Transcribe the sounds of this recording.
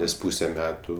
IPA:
nʲɛs ˈpuːsʲɛ ˈmʲæːtʊ

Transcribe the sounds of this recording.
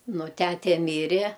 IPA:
ˈnʊ ˈtʲætʲɛ ˈmʲiːrʲɛ

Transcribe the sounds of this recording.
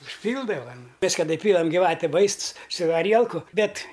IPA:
ʊʃʲˈpʲiːlˠdɐʋɐ nʊ ˈmʲɛs kɐˈdɐ ɪˈpʲiːlˠɐm ɡʲɪˈʋɑːtʲɛ ˈʋɐɪsts sʊ ɐˈrʲiɛlˠkʊ ˈbʲɛt

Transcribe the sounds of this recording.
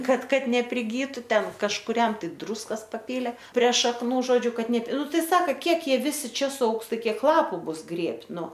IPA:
ˈkɐt ˈkɐt nʲɛpʲrʲɪˈɡʲiːtʊ ˈtʲɛn kɐʃkʊˈrʲɛm ˈtɐɪ ˈdruːskɐs pɐˈpʲiːlʲeː pʲrʲɛ ʃɐkˈnuː ˈʒoːd͡ʒʲʊ ˈkɐt ˈnʲɛ ˈnʊ ˈtɐɪ ˈsɑːkɐ ˈkʲiɛk ˈjiɛ ˈʋʲɪsʲɪ ˈt͡ʃʲɛ sʊˈɐʊks ˈtɐɪ ˈkʲiɛk ˈlˠɑːpʊ ˈbʊs ˈɡrʲeːpʲtʲ ˈnʊ

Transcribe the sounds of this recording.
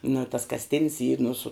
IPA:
nʊ ɪ tɐs kɐsʲˈtʲɪnʲs iː nʊ sʊ

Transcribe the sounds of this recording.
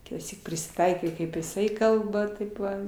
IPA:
kʲɪtɑːˈsʲiːk pʲrʲɪsʲɪˈtɐɪkɐɪ kɐɪp jɪˈsɐɪ ˈkɐlˠbɐ ˈtɐɪp ʋɐ

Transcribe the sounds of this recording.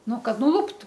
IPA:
ˈnʊ ˈkɐt nʊˈlˠʊptʊ

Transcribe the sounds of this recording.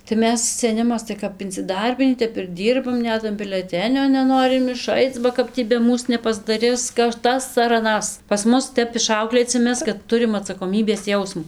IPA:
tɐɪ ˈmʲɛs sʲɛˈnʲɪmɐs tɐɪ kɐp ɪnʲt͡sʲɪˈdɐrʲbʲɪnʲiː ˈtʲɛp ɪr ˈdʲiːrbɐm ˈnʲɛt ɐn bʲɪlʲɛˈtʲæːnʲoː nʲɛˈnoːrʲɪm ɪˈʃɐɪt͡s bɐ ˈkɐp tʲiː bʲɛ ˈmuːs nʲɛpɐzdɐˈrʲɪs kɐt ˈtɐs ɐr ɐˈnɐs pɐs ˈmʊs ˈtʲɛp ɪˈʃɐʊklʲeːt͡sʲɪ ˈmʲɛs kɐt ˈtʊrʲɪm ɐtsɐkoːˈmʲiːbʲeːs ˈjɛʊsmʊ

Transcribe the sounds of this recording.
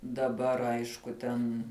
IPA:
dɐˈbɐr ˈɐɪʃkʊ ˈtʲɛn

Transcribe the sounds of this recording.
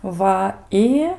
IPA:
ˈʋɐ ˈɪ

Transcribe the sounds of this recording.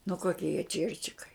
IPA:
nʊ ˈkoːkʲiɛ jiɛ ˈt͡ʃʲiɛrʲt͡ʃʲɪkɐɪ

